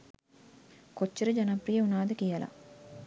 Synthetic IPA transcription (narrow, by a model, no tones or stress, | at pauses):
kot͡ʃːɐɾəd͡ʒɐnɐprijɐunaːd̪əkijɐlɐ̰